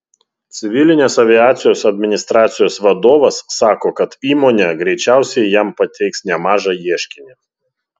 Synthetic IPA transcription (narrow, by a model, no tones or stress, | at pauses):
t̪sʲɪʋʲɪlʲɪnʲeːsɐʋʲɪjæːt̪sʲɪjoːsɐd̪ʲmʲɪnʲɪst̪ɾɑːt̪sʲɪjoːsʋɐd̪oːʋɐsːɑːkoːkɐt̪iːmoːnʲeɡɾʲɛɪt͡ʃʲæˑʊsʲɛɪjæmpɐt̪ʲɛɪksnʲɛmɑːʒɑjiɛʃʲkʲɪnʲi